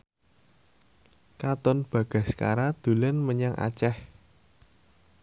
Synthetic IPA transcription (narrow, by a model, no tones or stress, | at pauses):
kat̪ɔnb̥a̤ɡ̥a̤ska̰ɾad̪̥ṳlɛnməɲaŋʔa̰t͡ʃɛh